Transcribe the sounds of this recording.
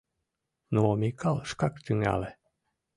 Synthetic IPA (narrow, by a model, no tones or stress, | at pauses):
noːmikʰalʃkakt̪yŋa̰le